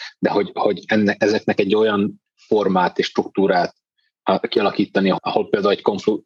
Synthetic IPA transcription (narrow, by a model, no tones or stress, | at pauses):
d̪ɛɦo̞ɟho̞ɟɛnːɛɛzɛknɛkɛɟːo̞jɒn | fo̞rmaːt̪eːʃːt̪ɾukt̪uːɾaːt̪̚ː | kiɒlɒkiːt̪ːɒniɒho̞lpeːld̪aːulɛcko̞ɱflu